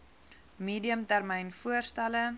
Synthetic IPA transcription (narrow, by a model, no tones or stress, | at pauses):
miːdiəmtærmɛjnfuərstælə